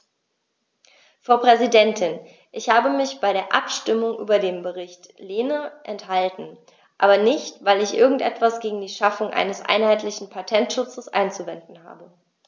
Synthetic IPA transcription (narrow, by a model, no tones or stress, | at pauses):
fʁ̥aʊpʁ̥ɛzidɛntʰɪn | ʔɪçhaːbəmɪçb̥aɪɾeːɐʔa̰pʃtɪmʊŋʔy̰ːbɐdeːmbəʁɪçtleːnəʔɛnthaltn̩ | ʔaːbɐnɪçtv̥aɪlɪçʔɪɐɡŋ̩tʔɛ̰tv̥asɡ̥eːɡŋ̩diːʃafʊŋʔa̰ɪnəsʔa̰ɪnhaɪtlɪçn̩pʰatʰɛntʃʊt͡səsʔa̰ɪnt͡suvɛndn̩ha̰ːbə